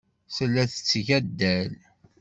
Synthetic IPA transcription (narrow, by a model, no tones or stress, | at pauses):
səlːæθə̥t͡sːʝæd̪ːæl